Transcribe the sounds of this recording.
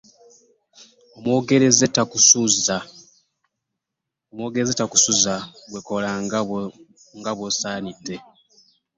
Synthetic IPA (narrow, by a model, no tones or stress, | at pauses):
omwo̞ːɡe̞ɾezetːakusuza | omwo̞ːɡeɾezetːaku̥suzaɡwekola | ŋɡaβwosaːnitːe̞